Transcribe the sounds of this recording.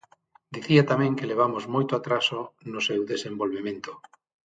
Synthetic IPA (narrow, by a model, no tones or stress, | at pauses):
d̪iθiat̪amɛ̃ŋkeleβ̞amozmojt̪oat̪ɾasonʊsewðesẽmbolβemẽnt̪o̥